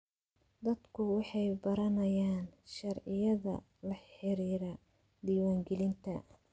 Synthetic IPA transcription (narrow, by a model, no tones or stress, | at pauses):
d̪ɐd̪kʰʊwɑħɑjbɐɾɐnɐjaːnʃɐrʕɪjɐðɐ̰ | lɐħɪɾiːɾɐ | d̪iːwaːŋɡɛlɪnt̪ʰɐ